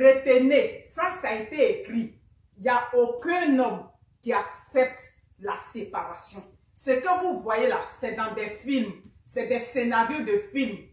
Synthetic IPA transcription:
ɾet̪enesasaet̪eekɾi | iljaokɛ̃nɔ̃m | kiaksɛp̚t̪ | lasepaɾasjɔ̃ | sekəvuvwajelasɛd̪ɑ̃d̪ɛfilm | sɛd̪ɛsenaɾjod̪əfilm

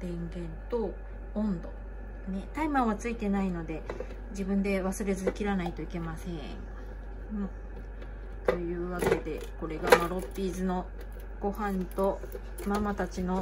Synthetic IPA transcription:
b̥ẽ̞ŋɡẽ̞nt̪õ̞ː | nd̪o̞̰ | ne̞t̪aimãɰ̃βat͡sɨit̪e̞naino̞d̪e̞ | d͡ʑibɯ̟̃nd̪e̞βasɨɾe̞zɨkʲiɾanait̪o̞ike̞masẽ̞ | ɯ̟̃ | t̪o̞jɯ̟ːβake̞d̪e̞̰ | ko̞ɾe̞ɡaβaɾo̞pʲːiːzɨno̞ | ɡ̥o̞hãnt̪o̞ | mamat̪at͡ɕino̞

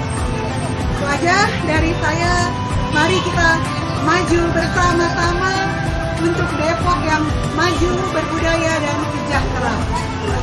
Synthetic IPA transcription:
səwad͡ʒahdaɾisaja | maɾikit̪a | mad͡ʒubərsamasama | unt̪ʊk̚bepɔkjaŋ | mad͡ʒu | bərbudajadaɾisəd͡ʒak̚t̪ɾa

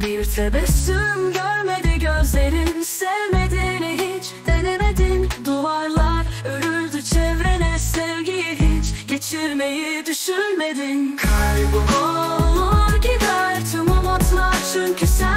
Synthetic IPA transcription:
biɾt̪ʰɛbɛsymɟøɾmed̪iɟøzle̞ɾinsɛvmed̪iniɦit͡ʃd̪̥enemed̪ind̪uaɾlˠaɾøɾyɾd̪yt͡ʃʰɛvɾɛnɛsɛvɾɟijiɦit͡ʃɟ̥et͡ʃʰiɾmejid̪yʃynmed̪ɪnkʰajbukolˠaɾɟid̪æɾt̪ʰymumat̪ʰlˠat͡ʃʰyncʰysɛ

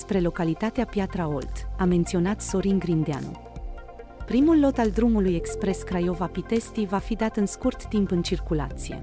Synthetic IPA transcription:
spɾe̞lo̞kalit̪at̪eapjat̪ɾao̞̰lt̪ame̞nt̪sio̞nat̪so̞ɾiŋɡɾind̪ea̰nṵ | pɾimulːo̞t̪ald̪ɾumuluje̞kspɾe̞skɾajo̞vapit̪e̞st̪ivafid̪at̪ɨnskurt̪ːimpɨnt͡ʃirkula̰t̪sije̞̰

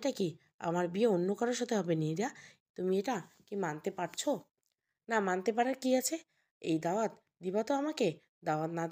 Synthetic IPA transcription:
ʈaki | a̰maɾbieonːokɔɾoɾʃɔt̪ʰeɦɔbenied̪a | t̪umieʈa | kimant̪epaɾt͡ɕʰo | namant̪ep̬aɾaɾkiat͡ɕʰe | ḛjd̪aad̪ | d̪ibat̪oamake | d̪aad̪nad̪

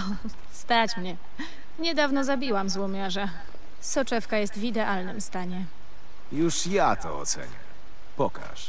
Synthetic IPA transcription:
ɔ | st̪at͡ɕmɲɛ | ɲɛd̪avnɔzabʲiwamzwɔmʲjaʐa | sɔt͡ʂɛfkajɛst̪vʲid̪ɛʔalnɘmst̪aɲɛ | juʂjat̪ʰɔ̰ɔ̰t̪sɛ̰ɲɛ̰ | pɔka̰ʂ

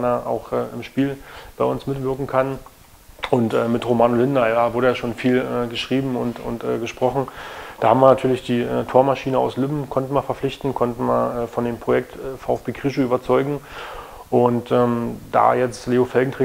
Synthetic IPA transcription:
nɐʔa̰ʊxʔɛːʔɪmʃpiːlb̥aɪʔʊnsmɪtv̥ɪɐkŋ̩kʰan | ʔʊntʔɛːmɪtʁomaːnolɪndɐjavʊɐɾəjaʃoːnfiːlɛːɡəʃʁ̥iːbm̩ʊntʊ̰ntʔɛ̰ːɡəʃpʁ̥ɔχn̩d̥aːhaːbm̩viːɐnatʰyːɐlɪçd̥iːʔɛːtʰoːɐmaʃiːnəa̰ʊslɪbm̩kʰɔntn̩viɐfɛɐflɪçtn̩kʰɔntn̩viɐɛːfɔndeːmpʁ̥ojɛktɛfaʊɛfb̥eːkʁ̥ɪʃ̬oyːbɐt͡sɔʏɡŋ̩ | ʔʊntʔɛːmd̥a̰ːjɛt͡stleːofɛlɡŋ̩tʁ̥e

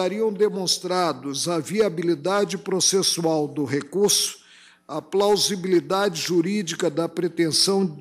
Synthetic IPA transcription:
aɾiɐ̃w̃d̪emõst̪ɾad̪ʊzɐviabilid̪ad͡ʒɪpɾosesuawd̪ʊɦekuɾsʊ̥ | ɐplawzibilid̪ad͡ʒɪʒuɾid͡ʒikɐd̪ɐpɾet̪ẽsɐ̃w̃

